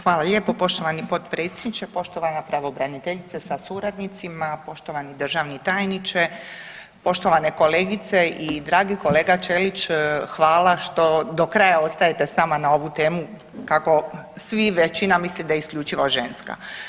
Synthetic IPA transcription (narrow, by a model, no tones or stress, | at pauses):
xʋaːlˠaʎepo̞po̞ʃt̪oʋanipo̞t̪pɾe̞t̪sʲjed̪nit͡ʃepo̞ʃt̪oʋanapɾaʋoːbɾanit̪eʎit̪sesasuɾad̪nit̪simapo̞ʃt̪o̞ʋanid̪r̩ʒaʋnit̪aːjnit͡ʃe | po̞ʃt̪o̞ʋane̞ko̞leːɡit̪se̞ʔid̪ɾaːɡiko̞le̞ːɡat͡ʃelit͡ʃxʋaːlaʃt̪o̞d̪o̞kɾaːjao̞st̪aje̞t̪e̞snaːmanao̞ʋut̪e̞ːmu | kako̞ | sʋiʋet͡ʃinamislid̪ajeiskʎʲuːt͡ʃiʋoʒenska̰